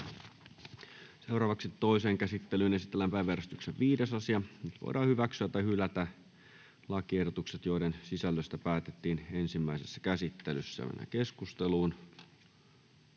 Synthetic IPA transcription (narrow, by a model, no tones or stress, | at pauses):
se̞wrɑːʋɑksit̪ːoiseːŋkæsit̪ːelyːnesit̪ːelːæmpæiʋːærst̪ykseʋʋiːdesɑsiɑnyt̪ʋo̰idʔɑːhyʋæksyæt̪ːˑɑjhylæt̪æ | lɑkiehdot̪ukset̪jo̞idensisælːøst̪æpæːt̪et̪ːiːne̞nsimːæisesːæ̥kæsit̪ːelysːæ̰jɑ̰mḛnːæ̰keskust̪eluːn